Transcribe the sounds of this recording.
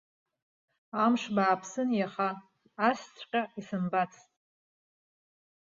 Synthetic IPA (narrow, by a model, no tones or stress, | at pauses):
amʂbaːpʰsɨnjaχaː | st͡sʷʰʼqʲʼaisɨmbat͡sʰtʼ